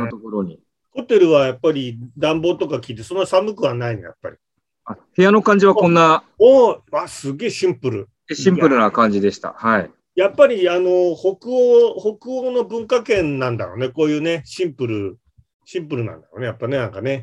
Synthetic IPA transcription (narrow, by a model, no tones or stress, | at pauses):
not̪okoɾoɲ̟i | ho̞t̪e̞ɾɯ̟βajapːaɾʲid̪ãmbo̞ːt̪o̞kakʲiːt̪e̞sõ̞nːosamɯkɯ̟βanainḛja̰pːa̰ɾʲi | ahe̞jano̞kãɲ̟d͡ʑiβakõ̞nːa | oβasɨɡe̞ːɕĩmpɯ̟ɾɯ̟̰ | eɕĩmpɯ̟ɾɯ̟nakãɲ̟d͡ʑid̪e̞ɕi̥t̪a̰hai | japːaɾʲiano̞ho̞kɯoho̞kɯ̟oːno̞bɯ̟̃ŋkakẽ̞nnãnd̪a̰jo̞̰ne̞ko̞ːjɯ̟ːne̞ɕĩmpɯ̟ɾɯ̟ | ɕĩmpɯ̟ɾɯ̟nã̰nd̪a̰jo̞̰ne̞japːane̞nãŋkane̞